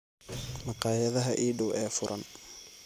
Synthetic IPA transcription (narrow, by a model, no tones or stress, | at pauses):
mɑqɑːjɐðɐɦɐʔiːɖʊwɛːfʊɾʔɐ̰n